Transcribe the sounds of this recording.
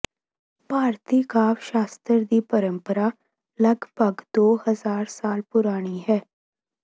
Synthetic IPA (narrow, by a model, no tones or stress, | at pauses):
paːɾt̪iːkaːʋʃaːst̪əɾd̪iːpəɾə̃mpəɾa | ləɡbʱəɡd̪oːhəzaːɾsaːlpʊɾaːɽ̃iɦɛː